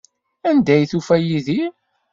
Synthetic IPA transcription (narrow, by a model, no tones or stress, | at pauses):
ænd̪æjθufæjiði